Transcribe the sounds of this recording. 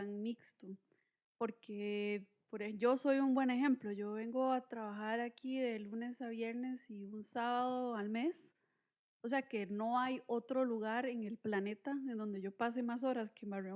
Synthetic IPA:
aŋmikst̪o | poɾkʰe | poɾed͡ʒo̞so̞juŋbwe̞ne̞xe̞mploʝo̞βe̞ŋɡo̞at̪ɾaβaxaɾakiðe̞lune̞saβje̞ɾne̞siunsaβaðoalme̞s | os̬e̞ake̞no̞ajo̞t̪ɾo̞luɣaɾe̞ŋe̞lplane̞t̪aend̪o̞nd̪e̞ʝo̞pas̬e̞mas̬o̞ɾaskembare

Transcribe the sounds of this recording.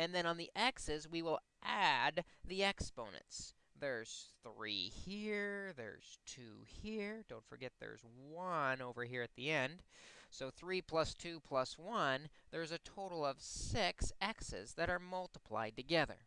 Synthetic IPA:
ɨ̃nðɨ̃ñə̃nðiʔɛksɪzwiwɪlˠ | ʔæd̪̚ðiɛkspõʊ̃nɨ̰̃nts | ðə˞z̥θɹḭhiɹðə̰˞z̥tʰʉ̰hiɹdõʊ̃ntfə̰˞ɡɛt̪̚ðə̰˞zwʌ̃noʊvə˞ɦiɹɨt̪̚ðiɛ̃nd̥soʊθɹipʰl̥ʌstʰʉpʰl̥ʌswʌ̃nðə˞zɨtʰoʊɾl̩ˠʌv̥sɪksɛksɪ̰zðɨɾə˞mʌlˠtəpʰl̥a̰ɪd̚tɨɡɛðə̰˞

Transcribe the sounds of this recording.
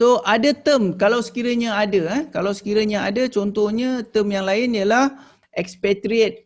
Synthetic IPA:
soʔadat̪əmkalawsə̥kiɾaɲaadakalawsə̥kiɾaɲaadat͡ʃɔnt̪ɔhɲãt̪əmjaŋlaɪnjalah | ʔɛkspɛt̪ɾiət̪̚

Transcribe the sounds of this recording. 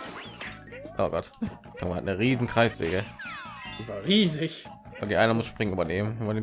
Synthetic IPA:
ʔoːɡɔt | tʰʊŋmaha̰tnəʁiːzn̩kʁ̥aɪsv̥ḛːɡə | ivaʁiːzɪç | ʔokʰeːʔaɪnɐmʊsʃpʁ̥ɪŋənʔyːbɐneːmənːbɐneː

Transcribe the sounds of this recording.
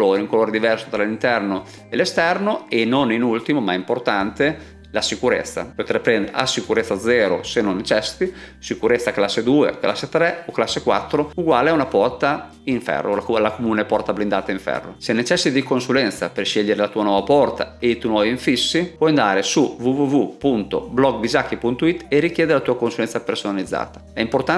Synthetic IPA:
loːɾeuŋkoloːɾed̪ivɛrso̥t̪ɾalint̪ɛrno | elest̪ɛrnoenːoninult̪imomaɛimport̪ant̪e | lasikuɾḛt̪sːa̰pot̪erpɾɛnd̪eɾḛa̰sikuɾet̪sːad̪zɛːɾo̰senont͡ʃɛst̪isikuɾet̪sːaklasːed̪uːḛkla̰sːet̪ɾɛoklasːekwa̰t̪ːɾouɡwaːleaunapɔrt̪a | iɱfɛ̰roklakomuːnepɔrt̪ablind̪aːt̪aiɱfɛ̰rːo̰senet͡ʃɛsd̪ikonsulɛnt̪saperʃeʎːeɾelat̪uːanwɔːvapɔrt̪a̰et̪unɔviɱfisːipwɔjand̪aːɾesuvuvuvupunt̪oblɔɡbizakːipunt̪oit̪ːerikjeːd̪eɾelat̪uːakonsulɛnsapersonalid̪zːa̰ːt̪ḁɛimport̪a

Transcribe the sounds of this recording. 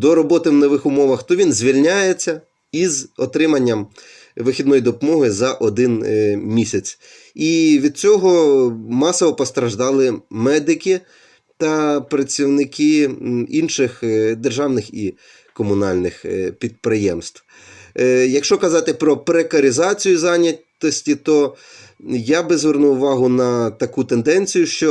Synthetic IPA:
d̪ɔɾɔbɔt̪ɪwnɔʋɪxʊmɔʋɐxt̪ɔʋʲinzʲʋʲilʲnʲajet͡sʲːɐ | izɔt̪ɾɪmɐnʲːɐm | ʋɪxʲid̪nɔjid̪ɔpɔmɔɦɪzɐʔɔd̪ɪnmʲisʲɐt͡sʲ | iʋʲid̪̚t͡sʲɔɦɔmɑsɔʋɔpɔst̪ɾɐʒd̪ɑlˠɪmɛd̪ɪkʲi | t̪ɐpɾɐt͡sʲiwnɪkɪinʃɪxd̪erʒɑwnɪxi | kɔmʊnɑlʲnɪxpʲid̪̚pɾɪjɛmst̪w | jɐkʃt͡ʃɔkɐzɑt̪ɪpɾɔpɾekɐɾʲɪzɑt͡sʲijʊzɑnʲɐt̪ɔsʲtʲit̪ɔ | jabɪzʋernuʊʋɑɦʊnɐt̪ɐkut̪end̪ɛnʲt͡sʲijʊʃt͡ʃɔ

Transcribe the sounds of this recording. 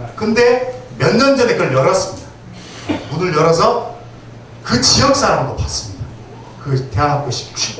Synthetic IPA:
kɯnde̞mjʌnːʌnd͡ʑʌneɡɯɭjʌɾʌs͈ɯmɲida | munɯɭjʌɾʌs̬ʰʌ | kɯt͡ɕijʌk̚s͈aɾamdopas͈ɯ̥mɲida | kɯte̞anɦap̚k͈oɕʰi̥pt͡ɕ͈i

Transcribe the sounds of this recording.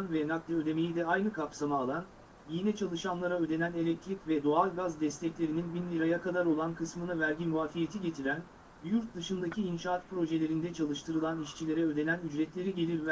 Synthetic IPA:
nvɛnak̪̚d̪ʲiød̪e̞me̞jid̪ɛajnɯkʰapsamaːlˠan | jinɛt͡ʃʰalˠɯʃanlˠaɾaød̪e̞næne̞lʲɛc̚t̪ʰɾicvɛd̪o̞alʲˠɡazd̪ɛst̪ʰɛclʲe̞ɾininbinlʲiɾajakʰad̪aɾo̞lˠankʰɯsmɯnavæɾɟinvaːfijet̪ʰiɟe̞t̪ʰiɾæn | bjuɾt̪̚d̪ɯʃɯnd̪acʰiːnʃaat̪pɾo̞ʒelʲe̞ɾind̪ɛt͡ʃʰalˠɯʃt̪ʰɯɾɯlˠaniʃt͡ʃʰilʲe̞ɾɛød̪e̞nænyd͡ʒɾɛt̪lʲe̞ɾiɟe̞lʲiɾv

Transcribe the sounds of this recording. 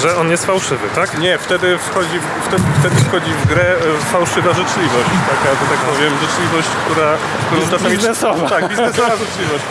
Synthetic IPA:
ʐɛɔnjɛst̪fawʂɘvɘt̪akɲɛft̪ɛd̪ɘfxɔd͡ʑi | ft̪ɛd̪ft̪ɛd̪ɘfxɔd͡ʑivɡɾɛfawʂɘvaʐɘt͡ʂlʲivɔɕt͡ɕt̪akaʐɛt̪ak̚pɔvʲjɛmʐɨt͡ʂlʲivɔɕt͡ɕkt̪uɾa | kt̪uɾɔ̃t̪asiiznɛsɔvat̪aɡbʲiznɛsɔvaʐɨt͡ʂlʲivɔɕt͡ɕ

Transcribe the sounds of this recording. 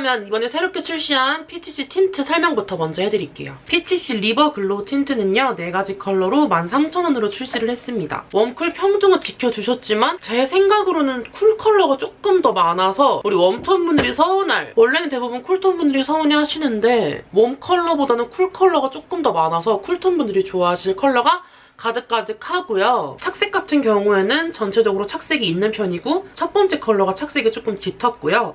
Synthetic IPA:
mjʌnibʌnesʰe̞ɾop̚k͈e̞t͡ɕʰuɭɕ͈iɦanpʰitʰiɕ͈itʰintʰɯsʰaɭmjʌŋbutʰʌmʌnd͡ʑʌɦedɯɾik͈e̞̰jo̰pʰitʰiɕ͈iɾibʌkɯɭːotʰintʰɯnɯɲʌne̞ɡad͡ʑikʰʌɭːʌɾomansʰaŋt͡ɕʰʌnʌnɯɾot͡ɕʰuɭɕ͈iɾɯɭhe̞s͈ɯmɲida̰wʌmkʰɯɭpʰjʌŋdɯŋɯɭt͡ɕikʰjʌd͡ʑuɕʰʌt̚t͡ɕ͈imant͡ɕe̞sʰe̞ŋɡaɡɯɾonɯnkʰuɭkʰʌɭːʌɡat͡ɕ͈ok͈̚ɯmdʌmanasʰʌuɾiwʌmtʰʌnbunɯɾisʰʌunaɭwʌɭːenɯnte̞bubɯnkʰuɭtʰonbundɯɾisʰʌuneɦaɕʰinɯnde̞momkʰʌɭːʌbodanɯnkʰuɭkʰʌɭːʌɡat͡ɕ͈ok͈ɯmdʌmanasʰʌkʰuɭtʰonbundɯɾit͡ɕoaɦaɕʰiɭkʰʌɭːʌɡa | kadɯk̚k͈adɯkʰaɡujot͡ɕʰak̚s͈e̞k͈atʰɯnkjʌŋue̞nɯnt͡ɕʌnt͡ɕʰe̞d͡ʑʌɡɯɾot͡ɕʰak̚s͈e̞ɡiːnːɯnpʰjʌɲiɡot͡ɕʰʌp͈ʌnt͡ɕ͈e̞kʰʌɭːʌɡat͡ɕʰak̚s͈e̞ɡit͡ɕ͈ok͈ɯmt͡ɕitʰʌt̚k͈ujo

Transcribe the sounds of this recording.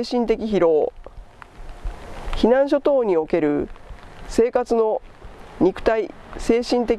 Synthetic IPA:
ɕĩnt̪e̞kʲiçiɾo̞ː | çinãɰ̃ɕ̬o̞t̪o̞ːɲ̟io̞ke̞ɾɯ̟ | se̞ːkat͡sɨno̞ɲ̟ikɯ̟̥t̪aise̞ːɕĩnt̪e̞kʲ

